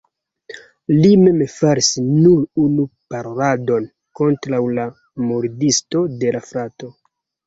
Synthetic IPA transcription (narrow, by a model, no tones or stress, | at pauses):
lime̞mfaɾisnuɾunupaɾado̞n | ko̞ntɾawla | muɾdisto̞de̞lafɾato̞